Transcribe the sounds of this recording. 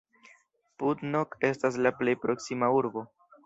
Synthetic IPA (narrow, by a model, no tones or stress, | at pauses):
putnoke̞stas̬laple̞jpɾo̞ksimauɾbo̞